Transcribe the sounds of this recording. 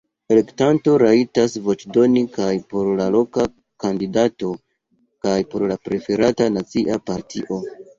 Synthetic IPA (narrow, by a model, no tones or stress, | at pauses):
e̞le̞ktanto̞ɾaitasvo̞t͡ʃdo̞nikajpo̞ɾlalo̞ka | kandidato̞ | kajpo̞ɾlapɾe̞fe̞ɾatanat͡siʔapaɾtʰḭʔo̞